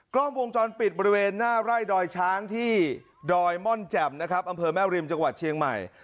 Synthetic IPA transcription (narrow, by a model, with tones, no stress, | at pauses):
kɾlɔː˥˩mwo˧ŋt͡ɕɔː˧npi˨˩t̪̚bɔː˧ɾi˦˥weː˧nːaː˥˩ɾaː˥˩jdɔː˧jt͡ɕʰaː˦˥ŋt̪ʰiː˥˩ | dɔː˧jmɔ˥˩nt͡ɕɛ˨˩m̚na˦˥kʰɾa˦˥p̚ʔa˧mpʰɤː˧mɛː˥˩wɾi˧mt͡ɕa˧ŋwa˨˩t̪̚t͡ɕʰi˧əŋma̰˨˩j